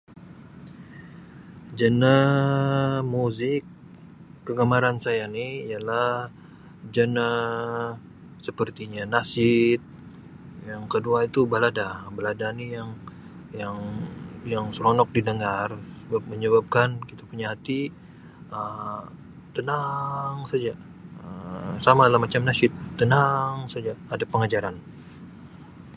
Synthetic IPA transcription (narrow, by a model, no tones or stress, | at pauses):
d͡ʒənə | muzɪkː | əɡamaɾansajaniijalah | d͡ʒənə | səpərt̪iɲanasɪt̪̚ | jaŋkəduait̪ubəladabəladanijaŋ | jaŋjaŋsəɾɔnɔk̚didəŋarsəbap̚məɲəβap̚kankit̪apuɲaɦat̪i | ə | t̪ənaŋsad͡ʒa | əsamadalamːat͡ʃamnasɪt̪ːənaŋsad͡ʒaːdapəŋad͡ʒaɾan